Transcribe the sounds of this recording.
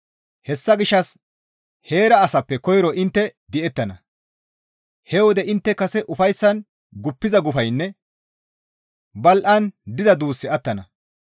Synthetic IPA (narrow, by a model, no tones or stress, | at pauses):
hɛsːɐɡɪʃːɐs | he̞ːɾɐːsɐpːɛkɔjɾɔʔɪnt̪ːɛd̪ɪʔɛt̪ːɐnɐ | hɛwɔd̪ɛɪnt̪ːɛkɐsɛʔʊfɐjsːɐn | ɡʊpːɪzɐɡʊfɐjnːɛ | bɐlʔɐnd̪ɪzɐd̪uːsːɪɐt̪ːɐnɐ